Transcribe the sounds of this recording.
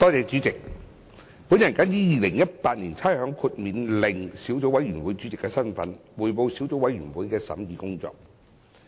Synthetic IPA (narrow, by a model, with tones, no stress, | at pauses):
t̪ɔː˥t͡sɛː˨˧t͡syː˨˥t͡sɪ˨k̚ | pu˨˥njɐ˨˩nkɐ˨˥njiː˨˥jiː˨˧lɪ˨˩ŋjɐ˥t̚paː˧t̚niː˨˩nt͡sʰaː˥ɦœː˨˥ŋkʰu˧t̚miː˨nlɪ˨ŋsiː˨˥wt͡so˨˥wɐ˨˥jɥyː˨˩nwuː˨˥jt͡sy˨˥t͡sɪ˨kːɛː˧sɐ˥nfɐ̰˨˥nwuː˨˩jpo˨˧wsiː˨˥wt͡so˨˥wɐ˨˥jɥyː˨˩nwuː˨˥jkɛː˧sɐ̰˨˥mjiː˨˧kʊ˥ŋt͡sɔ̰ː˨˧k̚